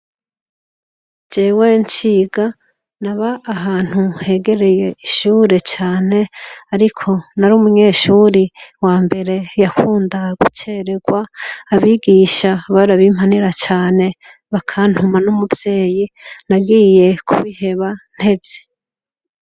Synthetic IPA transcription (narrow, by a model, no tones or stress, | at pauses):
d͡ʒeːweɲt͡ʃiɡa | naβaʔːɦaːn̥huhe̞ɡe̞ɾe̞jeiʃuːɾe̞t͡ʃaːne̞aɾikʰo̞naɾuːmuɲe̞ːʃuːɾiwaːmbe̞ɾe̞jakʰuːndaɡut͡ʃeɾe̞ɡwaːβiːɡiʃaβaɾaβim̥haniɾat͡ʃaːne̞ | βakʰan̥humanumuvje̞ːjinaɡije̞kʰuβihe̞βan̥he̞bje̥